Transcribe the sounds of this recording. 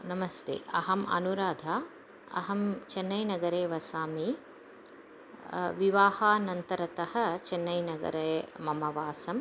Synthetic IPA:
nɐmɐst̪ḛːʔɐɦɐmɐ̰nuɾaːd̪ʱaː | ɐ̰ɦɐmt͡ʃɛnːɐjnɐɡɐɾeːʋɐsaːmi | ʋiʋaːhaːnɐnt̪ɐɾɐt̪ɐhɐ̆t͡ʃɛnːɐjnɐɡɐ̰ɾeːmɐmɐʋaːsɐm

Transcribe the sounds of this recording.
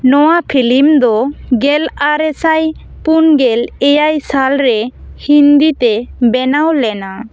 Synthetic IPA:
nɔwapʰilimd̪ɔɡɛlaɾɛsaj | punɡɛlɛjajsalɾɛhind̪it̪ɛbɛnawlɛna

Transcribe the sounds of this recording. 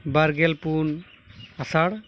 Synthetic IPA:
baɾɡelpun | asaɽ

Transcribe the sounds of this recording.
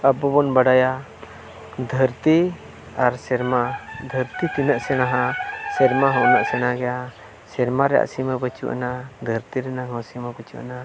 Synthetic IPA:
əbɔbɔnbaɖaja | d̪ʱəɾt̪i | aɾsɛɾmad̪ʱəɾt̪it̪inəʔsɛnaɦãsɛɾmaɦɔ̃ʔnaʔsɛnaɡɛja | sɛɾmaɾɛja̰ʔsimɛbət͡ʃṵʔa̰nad̪ʱəɾt̪iɾɛnaɦɔ̃siməbət͡ʃṵʔa̰na

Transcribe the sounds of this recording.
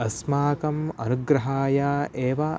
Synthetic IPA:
ɐsmaːkɐmɐnuɡɾɐɦaːjaːʔeːʋɐ

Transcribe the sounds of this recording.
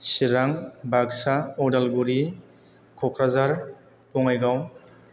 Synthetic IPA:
siɾaŋbaɡsaɔdalɡuɾi | kʰɔkʰɾazaɾ | pɔŋajɡaw

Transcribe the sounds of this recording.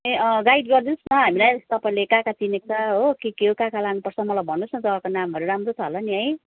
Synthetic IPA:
eʌɡajʈɡʌrd̪insnʌɦamilajt̪ʌpaĩlekãkat͡sinek̚t͡sʰʌɦokekeɦokãkalanupʌrt͡sʰʌmʌlajbʱʌnːusʰʌ̃t̪ʌbakonamɦʌɾuɾamrot͡sʰʌɦlʌniɦʌj

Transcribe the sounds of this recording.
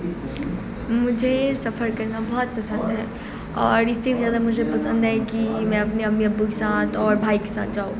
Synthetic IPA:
mʊd͡ʒʱesɐfəɾkɐɾnabɔɦɔt̪̚pɐsə̃nd̪ɦɛː | ɔːɾɪsːebizjaːd̪amʊd͡ʒʱepɐsə̃nd̪ɦɛkimɛ̃ɐpneɐpneɐbːukesãːt̪ʰɔːɾbʱaːike̥sã̰ːt̪̚d͡ʒaːũ

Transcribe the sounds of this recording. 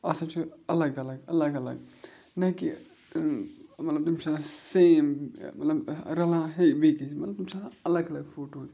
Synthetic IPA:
ɐsɐ̃t͡ʃʰiɐləɡɐləɡɐləɡɐlə̰ɡ | nɐki | mɐt̪ləb̚t̪umsasemmɐt̪ləbɾɐlãɦebekit͡ʃʰmɐt̪ləb̚t̪umsaɐləɡɐləɡfʰoːʈot̪

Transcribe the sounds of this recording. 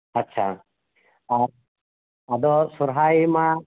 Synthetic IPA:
ɐtːt͡ʃʰa̰ | a | ad̪ɔsuɾɦajima

